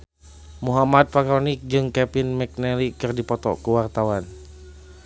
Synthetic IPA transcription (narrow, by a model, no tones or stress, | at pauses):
muɦamad̪̚fakɾɔnik̚d͡ʒɨŋkɛpinmɛk̚nɛlikɨrdipɔt̪ɔ̰kuwart̪awan